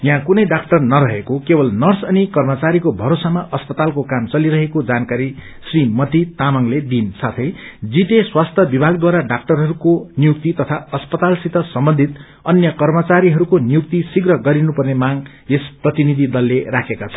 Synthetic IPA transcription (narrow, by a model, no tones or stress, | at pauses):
jɦãkunʌjɖak̚ʈʌrnʌɾʌɦekokebʌlnʌrsʌnikʌrmʌt͡saɾikobʱʌɾosamaʔʌspʌt̪alkokamt͡sʌliɾʌɦekod͡zankaɾi | srimʌt̪it̪amʌŋled̪insat̪ʰʌjd͡ziʈeswast̪ʰʌbibʱaɡd̪waɾaɖak̚ʈʌrɦʌɾukonijuk̚t̪it̪ʌt̪ʰaʌspʌt̪alsit̪ʌsʌmbʌnd̪ʱit̪ | ʌnjʌkʌrmʌt͡saɾiɦʌɾukonijuk̚t̪isiɡrʌɡʌɾinupʌrnemaɡ | esprʌt̪inid̪ʱid̪ʌlːerakʰekat͡sʰʌn